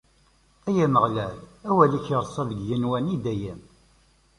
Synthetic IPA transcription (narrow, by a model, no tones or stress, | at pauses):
æjænəʁlælæwæliçəɾˤsˤɑvəɡjənwænid̪æjəm